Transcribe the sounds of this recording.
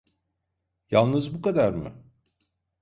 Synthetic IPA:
jalˠnɯzbukad̪aɾmɯ̰

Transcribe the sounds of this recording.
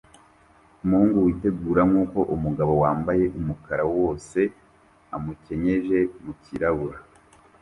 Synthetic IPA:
umuhuːŋɡuwite̞ɡuːɾaŋuːko̞ʔumuɡaβo̞waːmbaje̞ʔumukaɾawo̞ːse̞ | amuce̞ɲe̞ʒe̞muciɾaβuɾa

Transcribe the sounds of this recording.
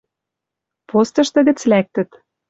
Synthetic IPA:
post̪ɤ̆ʃt̪ɤ̆ɣə̆t͡slæk̚t̪ə̆t̪

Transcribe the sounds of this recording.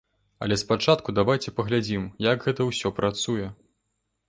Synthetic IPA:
ɐ̰lʲɛspat͡ʂat̪kud̪avajt͡sʲɛpɐɣlʲad͡zʲimjaɡɣɛt̪ɐwsʲɔpɾʔat̪sujɛ

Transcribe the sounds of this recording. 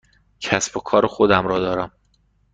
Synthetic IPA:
cʰæsbokʰɒːɾexod̪æmɾɒːd̪ɒːɾæm

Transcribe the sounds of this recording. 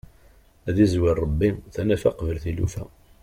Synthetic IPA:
æðizwɪrˤːɑbːiθænæfæqvəlθilṵfæ

